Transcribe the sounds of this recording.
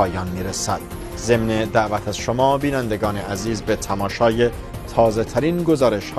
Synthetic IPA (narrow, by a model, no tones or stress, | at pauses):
ɒːjɒːnmiːɾesæd̪̥ | ze̞mned̪æʔvæt̪ʰæz̥ʃomɒːbiːnænd̪eɡɒːneʔæziːzbe̞t̪ʰæmɒːʃɒːje | t̪ʰɒːzet̪ʰæɾiːnɡo̞zɒːɾe̞ʃhː